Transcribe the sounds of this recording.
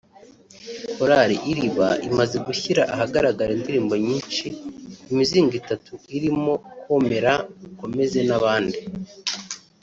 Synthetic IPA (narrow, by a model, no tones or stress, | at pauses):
hoɾaɾḭʔiɾiβa̰imaze̞ɡuçiɾaʔaɦaɡaɾaɡaɾendiɾiːmbo̞ɲiːnʃiːmiziːŋɡitatuiɾimo̞kwo̞me̞ɾauko̞me̞ze̞naβaːndi